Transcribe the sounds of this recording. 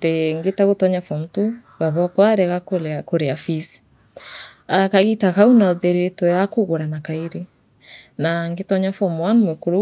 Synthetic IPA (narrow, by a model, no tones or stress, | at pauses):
deŋɡetaɣotɔɲafɔm̩tuβaβɔkwaɾɛɣakolakoɾeafisi̥ | akaɣitakaunaðeɾetɔjakoɣoɾanakaeɾe | naŋɡetɔɲafɔmwanmwekoɾo